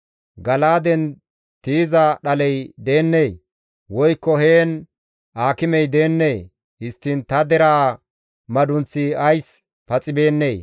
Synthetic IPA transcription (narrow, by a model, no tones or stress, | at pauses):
ɡɐlaːd̪ɛn | t̪iːzɐɗɐlɛjd̪e̞ːnːeː | wɔjkːɔheːn | ʔaːkɪmɛjd̪e̞ːnːeː | hɪst̪ːint̪ɐd̪ɛɾaː | mɐd̪ʊnt͡sːɪɐjs | pɐt͡sʼɪbe̞ːnːeː